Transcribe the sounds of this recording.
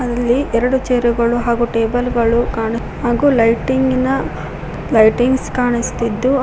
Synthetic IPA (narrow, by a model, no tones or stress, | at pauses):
ɐd̪ɐlːiʔɛɾɐɽut͡ʃeːɾuɡɐɭuɦaːɡuʈeːbɐlɡɐɭukaːɳi | haːɡulɐjʈiŋɡinɐ | lɐjʈiŋɡskaːɳist̪id̪ːu